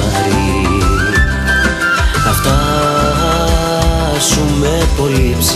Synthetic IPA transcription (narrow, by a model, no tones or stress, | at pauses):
ɐɾi | ɐft̪ɐ | sumepo̞lips